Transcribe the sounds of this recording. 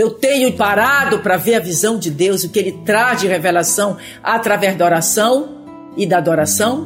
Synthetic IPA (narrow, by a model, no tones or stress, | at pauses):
ewt̪ẽɲʊpaɾad̪ʊpɾɐveɾɐvizɐ̃w̃d͡ʒɪd̪ewzʊkɪelɪt̪ɾazd͡ʒɪhevelasɐ̃w̃ | at̪ɾavɛzd̪ɐɔɾasɐ̃w̃ | ɪd̪aːd̪oɾasɐ̃w̃